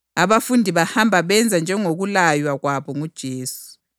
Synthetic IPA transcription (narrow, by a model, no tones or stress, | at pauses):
aβafundʱiβahambʱaβɛnd͡zʱand͡ʒʱɛŋoɣulajwaɣwaβɔŋud̥ʒ̥ʱeːsu̥